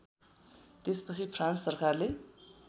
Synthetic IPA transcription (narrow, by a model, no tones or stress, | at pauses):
t̪espʌt͡sʰipʰrant͡ssʌrkarle